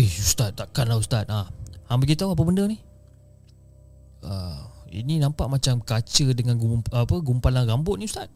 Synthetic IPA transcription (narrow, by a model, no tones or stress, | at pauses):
eust̪at̪̚t̪aʔkanlaust̪at̪̚ahaŋbaɡit̪auapəbəndərnih | ə̰ḭninãmpaʔmat͡ʃamkat͡ʃədəŋanɡuapəɡumpalaŋrambʊt̪̚nist̪at̪̚